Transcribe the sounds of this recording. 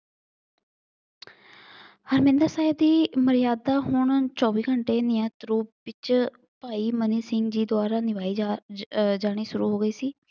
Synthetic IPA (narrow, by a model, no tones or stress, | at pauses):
həɾmɪ̃ːnd̪əɾsaːɪbd̪iːməɾɪjaːd̪aːɦʊɳt͡ʃɔːʋiːɡəɳʈeːnɪjãːt̪ɾuːpbɪt͡ʃ | paːiːməniːsɪŋɡd͡ʒiːd̪ʊaːɾaːnɪʋaːi | d͡ʒaːɽ̃iːʃʊɾuːɦoːɡəiːsiː